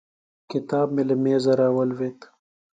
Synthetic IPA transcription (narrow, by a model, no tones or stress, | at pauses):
kɪt̪aːbmelɐmeːzɐɾaːwɐlweːt̪